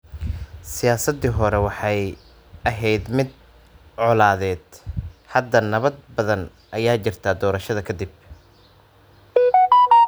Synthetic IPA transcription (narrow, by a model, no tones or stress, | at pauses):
sɪjaːsɐd̪iɦɔɾɛwɑħɑj | ʔɐɦɛjd̪mɪd̪ | ʕɔlaːðɛːd̪hɐd̪ːɐnɐβɐd̪̚bɐðɐn | ʔɐjaːt͡ʃɪrt̪ʰaːd̪ɔːɾɐʃɐðɐkʰɐd̪ɪb